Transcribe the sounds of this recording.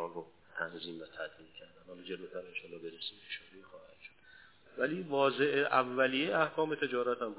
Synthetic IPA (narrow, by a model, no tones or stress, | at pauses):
ɒːo | t̪ʰænziːmvæt̪ʰæd̪ɾiːlcʲʰæɾd̪ænhɒːld͡ʒe̞loːt̪ʰæɾenʃoːlɒːbeɾesipʰi̥ʃoɾixɒːhæd̪̥ʃod̪̥ | væliːvɒːze̞ʔeʔævːælijeæhkʰɒːme̞t̪ʰe̞d͡ʒɒːɾæt̪æmɡ